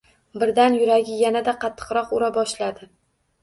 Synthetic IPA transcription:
bɪɾd̪anjʊɾaɡʲɪjanad̪aqʰɑt̪ʰːɨ̥qɾɒqʊɾabɒʃlad̪ɪ

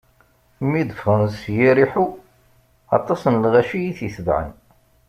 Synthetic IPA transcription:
mid̪əfənsjiɾiħu | ɑ̰t̪ˤːɑsənlʁæʃijiθjiθəðʕə̰n

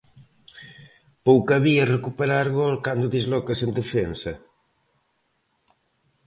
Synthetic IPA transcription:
powkaɐβiɐrekupeɾaɾɣolkand̪ʊðizlɔkɐsend̪efensɐ

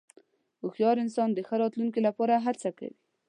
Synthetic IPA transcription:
ʊxjɑɾɪnsɑnd̪əxəɾɑt̪luŋkelapɑɾaɦat͡saka̰wi

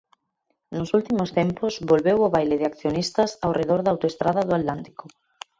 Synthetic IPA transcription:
nʊsult̪imost̪emposβolβewʊβajleðɪakθjonist̪ɐsawreðoɾðawt̪oest̪ɾaðɐðʊat̪lant̪i̥ko

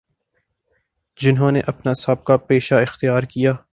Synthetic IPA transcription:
d͡ʒɪnɦõneʔɐpnasaːb̚kapeːʃaɪxt̪ijaːɾkijaː

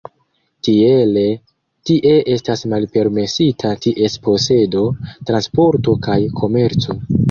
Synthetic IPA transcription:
tie̞le̞ | tiʔe̞ʔe̞stasmalpe̞ɾme̞sitʰatiʔe̞spo̞se̞do̞tɾanspo̞ɾto̞kajkʰo̞me̞ɾt͡so̞

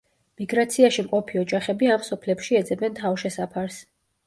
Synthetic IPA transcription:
miɡɾat̪sʰiaʃimqʼɔpʰiɔd͡ʒaχɛbiamsɔpʰlɛpʃiɛd̪zɛbɛnt̪ʰavʃɛsapʰaɾs

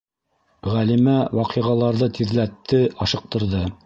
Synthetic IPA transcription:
ʁælimæwɑqiʁɑlˠɑɾðɤt̪ʰiðlæt̪ːɘʔɑʃɤ̆q̚t̪ɤ̆ɾðɤ

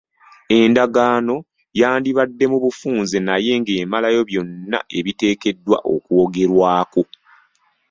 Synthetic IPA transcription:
e̞ndaɡaːno̞ | jaːndiβadːe̞muβufuːnzenaje̞ŋɡe̞ːmalajo̞βjo̞nːa̰e̞βite̞ːke̞dːwa̰ʔo̰kuoɡe̞ɾwaːko

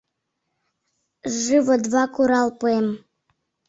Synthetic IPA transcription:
ʐɨvod̪vɑkuɾɑlˠpuem

